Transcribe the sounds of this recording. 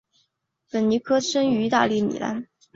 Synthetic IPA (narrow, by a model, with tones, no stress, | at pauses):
pə˨˩nni˧˥kʰɤ˥ʂə˥ŋy˧˥i˧˥t̪a̰˥˧li˥˩nḭ˨˩la̰˥n